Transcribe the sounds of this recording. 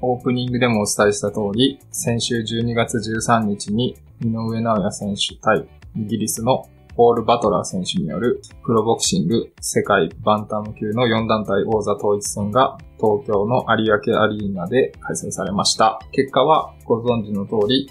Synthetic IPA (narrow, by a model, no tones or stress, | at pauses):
o̞ːpɯ̟ɲ̟ĩŋɡɯ̟d̪e̞mo̞ːt͡sɨ̥t̪aiɕi̥t̪at̪o̞ːɾʲisẽ̞ɰ̃ɕɨːʑɨːɲ̟iɡat͡sɨʑɨːsãɲ̟ːit͡ɕiɲ̟i | mʲino̞ɯ̟e̞naojasẽ̞ɰ̃ɕɨ̥t̪aiiɡʲiɾʲisɨno̞ | o̞ːɾɯ̟bat̪o̞ɾa̰ːsẽ̞ɰ̃ɕɨɲ̟ḭjo̞̰ɾɯ̟pɯ̟ɾo̞bo̞kɯ̟̥ɕĩŋɡɯ̟se̞kaibãnt̪amɯ̟kʲɨːno̞jõ̞nd̪ãnt̪aiʔo̞ːzat̪o̞ːit͡sɨ̥sẽ̞ŋɡat̪o̞ːkʲo̞ːno̞ʔaɾʲiake̞aɾʲiːnad̪e̞kʰaisaisaɾe̞maɕi̥t̪ake̞kːaβ̞aɡ̥o̞zõ̞ɲ̟d͡ʑino̞t̪o̞ːɾʲi